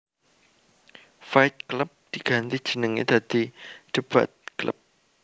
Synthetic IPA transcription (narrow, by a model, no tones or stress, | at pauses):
fajt̪̚kləp̚d̪̥iɡ̥a̤nt̪i̥d͡ʒ̥ənəŋḭd̪̥ad̪̥iɖ̥əba̰t̪̚klə̰p̚